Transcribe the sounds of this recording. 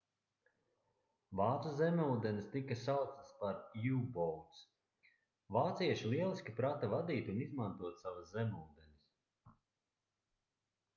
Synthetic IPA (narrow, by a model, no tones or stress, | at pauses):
vaːt̪suzemʲuːd̪enist̪ikɐsawt̪sspaɾjuːbɔwt̪s | vaːt̪siɛʃilˠiɛlˠisʲkʲipɾat̪avad̪iːt̪unizmant̪uɔt̪savaszemʲuːd̪ɛnis